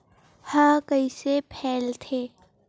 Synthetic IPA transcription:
hɐ̃kəisepʰɛːlt̪ʰeː

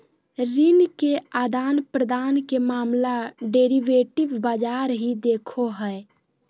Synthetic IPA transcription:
ɾinkead̪aːnpɾəd̪aːnkemaːmlaɖeɾiʋeːʈɪbbaːd͡ʒaːɾɦid̪ekʰoɦəe

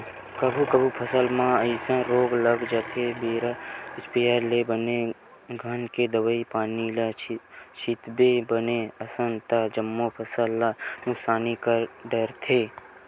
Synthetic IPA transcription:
kəbʱukəbʱupʰəsəlmãəɪsãɾoːɡləɡd͡ʒaːt̪ʰebeːɾaɪspijaɾlebəne | ɡʱənked̪əwəipaːnilat͡ʃʰit̪bebəneɐsənt̪ad͡ʒəmːopʰəsəlːanʊksaːnikaɖəɾt̪ʰeː

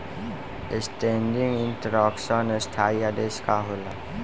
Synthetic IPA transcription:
esʈẽːɳɖɪŋɡɪnʈəɾɔːksɔnesʈʰaːjjad̪eːskaɦoːla

